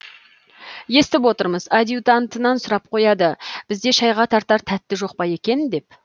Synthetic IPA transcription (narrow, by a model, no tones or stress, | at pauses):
je̞st̪ɪpwo̞t̪əɾməzad̪jut̪ant̪ənɑnsʊɾɑp̚qʰo̞jɑd̪əb̥ɪzd̪e̞ʃɑjʁɑt̪ʰɑɾt̪ɑɾt̪ʰæt̪ːɪʒo̞q̚pɑje̞kʲe̞nd̪e̞p̚